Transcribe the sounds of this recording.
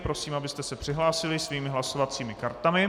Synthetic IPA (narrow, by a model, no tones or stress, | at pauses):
pɾo̞siːmabɪst̪ɛsɛpr̥ɪɦlaːsɪlɪsviːmɪɦlaso̞vat͡siːmɪkaɾt̪amɪ